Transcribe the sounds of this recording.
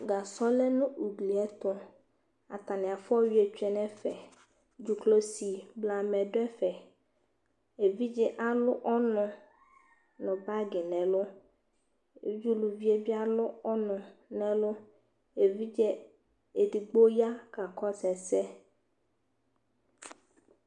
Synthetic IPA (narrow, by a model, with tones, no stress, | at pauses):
ɡa˨sɔ˦lɛ˦nʊ̃˦u˨ɡli˨ɛ˦t̪ʊ˦ | a̰˨t̪a˨nɪ̃˨a˨fɔ˦ɥi˦e˨t͡ʃᶣɛ˨nɛ̃˦fɛ˨ | d͡ʒu˨klo˦si˨bla˨mɛ̃˨dʊ˦ɛ˦fɛ˨ | e˨vi˦d͡ʒɛ˦ʔa˦lʊ˦ʔɔ˦nʊ̃˨ | nʊ̃˨ba˦ɡɪ˨nɛ̃˨lʊ˦ | e˨d͡ʒu˦lu˨vi˦e˦bi˦a˦lʊ˦ɔ˦nʊ̃˨nɛ̃˨lʊ˦ | e˨vi˦d͡ʒɛ˦ | e˨di˨ɡ͡bo˦ja˦ka˨kɔ˦sɛ˨sɛ˦